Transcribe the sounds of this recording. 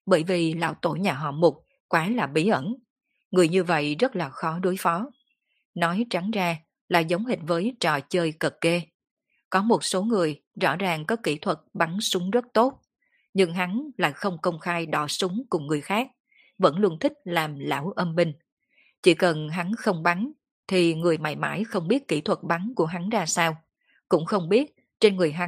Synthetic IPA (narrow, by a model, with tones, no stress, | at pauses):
ɓəː˧˩jvi˨˩la̰ː˧˥˩wt̪o̰˧˩jɲaː˨˩ɦɔ̰˧˩mʊ˨˩t̚ | kwaː˨˦laː˨˩ɓi˨˦ʔə˧˩n | ŋɨ˨˩əjɲɨ˧və̰˧˨jzə˦˥t̚laː˨˩xɔ˨˦ɗu˨˦jfɔ˨˦ | nɔ˨˦jt͡ɕa˨˦ŋzaː˧ | la̰ː˧˨jzə˨˦wŋ͡mɦï˨˩ŋ̟vəː˨˦jt͡ɕɔ˨˩t͡ɕəː˧jkə˨˩k̚ːe˧ | kɔ˨˦mo˨˩t̚so˨˦ŋɨ˨˩əj | zɔ̰˧˥zaː˨˩ŋkɔ˨˦kḭ˧˩t̪ʰwə˨˩t̚ɓa˨˦nsʊ˨˦ŋ͡mzə˦˥t̚t̪o˦˥t̚ | ɲɨ˧ŋɦa˨˦nla̰ː˧˨jxə˧wŋ͡mkə˧wŋ͡mxaː˧jɗɔ˧˩sʊ˨˦ŋ͡mkʊ˨˩ŋ͡mŋːɨ˨˩əjxaː˦˥k̚ | və̰˧˥nlu˧ənt̪ʰï˦˥k̟̚laː˨˩mla̰ː˧˩wʔə˧mɓï˧ŋ̟ | t͡ɕi˧˩kə˨˩nɦa˨˦nxə˧wŋ͡mɓa˨˦n | t̪ʰi˨˩ŋɨ˨˩əjma̰˧˩jma̰ː˧˥jxə˧wŋ͡mɓi˦˥ət̚kḭ˧˩t̪ʰwə˨˩t̚ɓa˨˦nku˧˩əɦa˨˦nzaː˧saː˧w | kʊ̰˧˥ŋ͡mxə˧wŋ͡mɓi˦˥ət̚ | t͡ɕe˧nŋɨ˨˩əjɦa˨˦